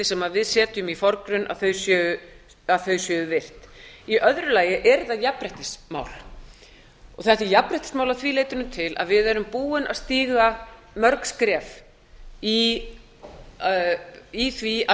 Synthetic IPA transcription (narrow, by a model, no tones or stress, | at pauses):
ɪsɛmaðvɪðsɛːt̪ʏmifɔɾkɾʏnʔa̰ðθœɥsjœːʏ | aðθœɥsjœːʏvɪr̥t̪iʔœðɾʏlaːjɪʔɛɾðajapɾɛht̪ɪsma̰ːwl | ɔɣθɛht̪ɪjapɾɛht̪ɪ̥smaːwlaθvileːjt̪ʏnʏmt̪ʰɪlʔa̰ðvɪðɛɾʏmpuːɪnʔa̰ðst̪iːɣa | mœɾkskɾɛːf | i | iθvia